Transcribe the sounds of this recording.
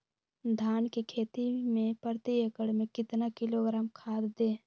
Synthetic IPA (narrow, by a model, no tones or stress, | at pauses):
d̪ʱaːnkikʰeːt̪imẽpəɾt̪iekəɽmẽkɪt̪nakɪloɡɾaːmkʰaːd̪d̪ẽː